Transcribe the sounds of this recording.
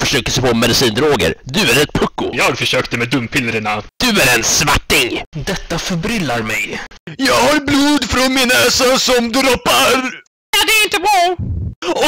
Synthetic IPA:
fœʂøːkəsɛpʰoːmɛd̪ɪsiːnd̪ɾoːɡə̰ɾd̪ɵæɾɛt̪̚pʰɵkːʊ̰jɑːɡfœʂøːkt̪əmɛd̪ɵmːpʰɪlːɾəɳad̪̥ɵæɾɛnsvaʈːɪŋd̪ɛt̪ːafœɾbɾɪlːaɾmɛjjɑːɡhaɾbluːd̪fɾɔnmɪnɛːsasɔmd̪ɾɔpːaɾ | jad̪ɛæɾɪnt̪əbɑː | ɔ

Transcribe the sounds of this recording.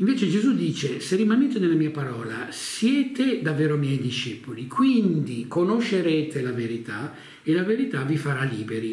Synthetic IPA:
iɱveːt͡ʃed͡ʒezud̪iːt͡ʃeserimaneːt̪enelamiːapaɾɔːla̰sjɛːt̪ed̪avːɛːɾomjɛjd̪iʃepolikʰwind̪ikonoʃːeɾɛːt̪ʰelaveɾit̪a | elaveɾit̪avifaɾaliːbeɾi

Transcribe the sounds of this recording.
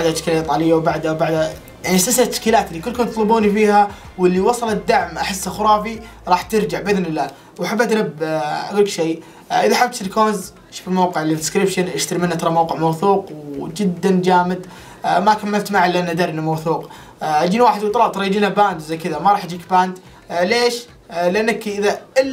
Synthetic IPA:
baʕd̪at̪ʃklait̪ˤɑlɪjːawbaʕd̪awbaʕd̪a | jaʕniʔast̪asalt̪ːɪ̥ʃkiːlaːt̪ʔɪlːikʊlːkʊmt̪t̪ˤlɨbuːnifiːha | wɪlːiwɑsˤɑlad̪ːaʕmʔaħɪsːaxʊɾˤɑːfiɾˤɑːħt̪ɪɾd͡ʒaʕbʔɪðnɪlːaː | waħabːat̪nabːkʊlkʃej | ʔɪðaħab̚t̪sɪlkoːz | ʃʊ̥fɪlmawqɪʕlɪd̪skɾɪbʃanʔɪʃt̪aɾmɪnːat̪ɑɾˤɑmawqɪʕmawθuːqwd͡ʒɪd̪ːand͡ʒaːmɪd̪ | makamːalt̪maʕalːɪʔanːad̪aːɾɪnamawθuːq | ʔad͡ʒiːnwaːħɪd̪wt̪ˤɑlɑːbt̪ɑɾˤɑd͡ʒiːnabaːnd̪zajkɪðamaɾˤɑːħad͡ʒiːk̚baːnd̪ | leːʃ | lɪʔanːakʔɪðaʔɪlː

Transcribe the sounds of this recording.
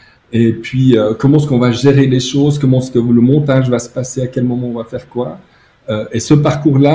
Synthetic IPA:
epɥiøkɔmɑ̃ɛskɔ̃vaʒeʁeleʃoːzkɔmɑ̃ɛskələmɔ̃t̪aʒvasə̥paseakʲɛlmɔmɑ̃ɔ̃vafɛʁkwa | øesəpaʁkuːʁla

